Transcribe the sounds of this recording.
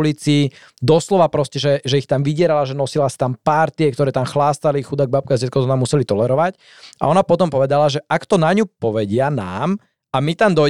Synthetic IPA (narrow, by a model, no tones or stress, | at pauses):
lit͡siː | d̪ɔslɔʋapɾɔscɛʒɛʒɛixt̪amʋiɟɪɛɾalaʒɛnɔsilasi̥t̪ampaɾt̪iɛkt̪ɔɾɛːt̪amxlaːst̪alixud̪aɡ̚bap̚kazɛt̪kɔt̪ɔnamːusɛlit̪ɔlɛɾɔʋac | a̰ɔnapɔt̪ɔmpɔʋɛd̪alaʒɛʔakt̪ɔnaɲupɔʋɛɟɪana̰ːm | amit̪amd̪ɔ